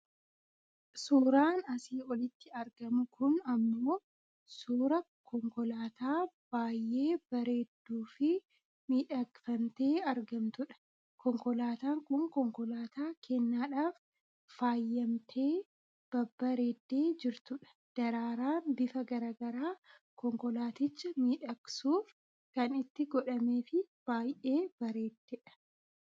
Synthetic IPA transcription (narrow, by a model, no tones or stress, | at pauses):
suːɾaːnɐsiːɔlɪt̪ːɪɐɾɡɐmʊkʊnɐmːoː | suːɾɐ | kʰɔŋkɔlaːt̪aːb̥aːjʔe̞ːb̥ɐɾe̞ːd̪ːuːfɪ | miːᶑɐkfɐmt̪e̞ːɐɾɡɐmt̪ʊᶑɐ̥ | kɔŋkɔlaːt̪aːŋkʊŋkɔŋkɔlaːt̪aːkʰenːaːᶑaːfː | aːjːɐmt̪ʰe̞ː | b̥ɐbːɐɾe̞ːd̪ːe̞ːd͡ʒɪɾt̪ʊᶑɐ̥ | d̪̥ɐɾaːɾaːnbɪfɐɡɐɾaːɡɐɾaː | kɔŋkɔlaːt̪ɪt͡ʃːɐmiːᶑɐksuːf | kɐnɪt̪ːɪɡɔᶑɐme̞ːfɪb̥aːjʔe̞ːb̥ɐɾe̞ːd̪̥ːeᶑɐ̥